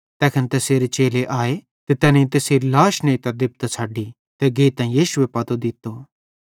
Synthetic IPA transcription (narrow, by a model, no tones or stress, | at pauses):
t̪ɛːkʰənt̪ɛseːɾet͡ʃeːleʔaːe | t̪et̪ɛːnẽĩt̪eːseɾlaːʃnẽit̪ɐd̪ɪp̚t̪t͡sʰaːɖi | t̪ɛɡeːt̪ːãːĩjiːʃʊepɐt̪od̪ɪt̪ːo